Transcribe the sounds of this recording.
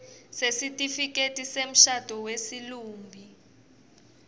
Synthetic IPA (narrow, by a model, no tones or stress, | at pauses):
sesitʼifik̬ʼetʼisem̩ʃad̥ʱɔwesiluːmbʱi